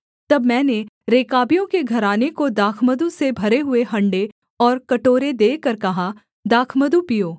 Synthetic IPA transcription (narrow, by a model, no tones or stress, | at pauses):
t̪ɐbmɛ̃ːneɾeːkaːbijõkeɡʱɐɾaːnekod̪aːkʰməd̪usebʱɐɾeɦʊeɦɐ̃ɳɖe | ɔːɾkɐʈoːɾed̪eːkɐɾkɐɦa | d̪aːkʰməd̪upijoː